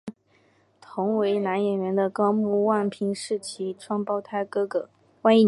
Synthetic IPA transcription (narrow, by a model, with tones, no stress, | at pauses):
t̪ʰʊ˧˥ŋwe˧˥ɪna˧˥njɛ˨˩nɥɛ˧˥nd̪ə˧kɑ˥ʊmu˥˧wa˥˩npʰi˧˥ŋʂɻ̩˥˩t͡ɕʰi˧˥ʈ͡ʂʰwɑ˥ŋpɑ˥ʊt̪ʰa˥˩ɪkɤ˥ɡɤ˧˩ | wa˥˧ni˥˩